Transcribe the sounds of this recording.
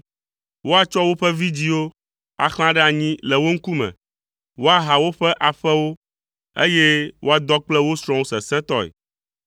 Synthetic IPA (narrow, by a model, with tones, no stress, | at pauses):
wo˦a˨t͡ʃɔ˦wo˦ɸɛ˦vi˦d͡ʑi˦wo˦ | a̰˨xl̃ã˦ɖɛ˦a˨ɲĩ˦lɛ˨wo˦ŋ̩˦ku˦mɛ̰̃˨ | wo˦a˨ɦa˨wo˦ɸɛ˦ʔa˨ɸɛ˦wo˦ | ḛ˦je˦wʔo˦a˨d̪ɔ˦k͡plɛ˦wo˦sɾ̃ɔ̃˦o˦sɛ˨sɛ̃˦t̪ɔ˦ɛ̰˨